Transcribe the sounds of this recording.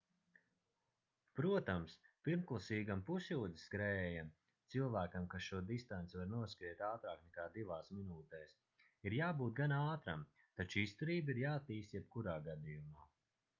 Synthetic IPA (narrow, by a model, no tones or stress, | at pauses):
pɾuɔt̪amspiɾmklˠasiːɡampusʲjuːd̪isɡɾɛːja | t̪silˠvæːkamkasʃuɔd̪ist̪ant̪sʲvaɾnuɔskɾiɛt̪aːt̪ɾaːknɛkaːd̪ivaːsminuːt̪ɛːs | iɾjaːbuːt̪̚ɡanaːt̪ɾam | t̪at͡ʃist̪uɾiːbiɾjaːat̪ːiːst̪jɛb̚kuɾaːɡad̪ijumaː